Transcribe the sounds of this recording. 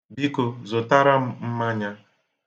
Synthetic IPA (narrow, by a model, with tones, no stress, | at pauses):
bi˦ko˨zo˨ta˦ɾa˦m˦m̩˦ma˦ɲa˦